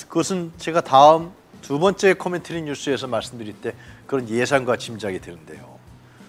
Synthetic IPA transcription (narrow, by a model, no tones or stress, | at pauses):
kɯɡʌsʰɯnt͡ɕe̞ɡataɯm | tubʌnt͡ɕ͈e̞kʰʌmentʰɯɾinɲus͈ɯe̞sʰʌmaɭs͈ɯmdɯɾiɭt͈e̞kɯɾʌnje̞sʰanɡwat͡ɕimd͡ʑaɡidwenɯnde̞̰jo̰